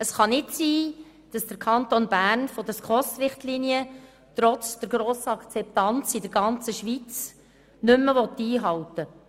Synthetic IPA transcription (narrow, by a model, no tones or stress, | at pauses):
əsχɑnɪtsiː | d̥ɑsd̥əɾkʰɑnt̪onbæːɾnfod̥əskɔstʋɪχtliːniə | t̪ɾɔt͡sd̥̪əɾɡɾoːsəɑkt͡sɛp̚t̪ɑnt͡sidəɾɡɑnt͡səʃʋit͡s | nʏmːəʋɔt̪ːiːɦɑlt̪ə